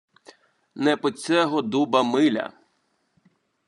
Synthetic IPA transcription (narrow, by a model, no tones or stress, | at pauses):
nɛpɔt͡sʲɛɦɔd̪ubɐmɪlʲɐ̰